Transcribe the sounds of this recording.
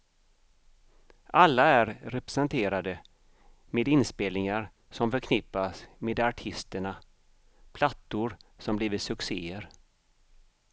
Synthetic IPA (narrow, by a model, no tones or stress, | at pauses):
ʔalːaæɾɾɛpɾɛsɛnt̪ʰeːɾad̪ə | meːd̪ɪnspeːlnɪŋaɾ | sɔmfœɾkʰnɪpːasmeːd̪aʈʰɪst̪əɳa | pʰlat̪ːʊɾsɔmbliːvɪt̪sɵkseːəɾ